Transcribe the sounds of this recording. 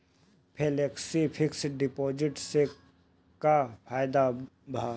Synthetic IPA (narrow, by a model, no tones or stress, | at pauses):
pʰeːleksipʰɪksɖɪpoːd͡ʒɪʈse | kapʰaːjd̪a | bʱaː